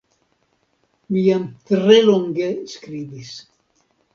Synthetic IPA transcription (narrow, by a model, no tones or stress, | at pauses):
miant̪ɾeloŋɡeskɾibis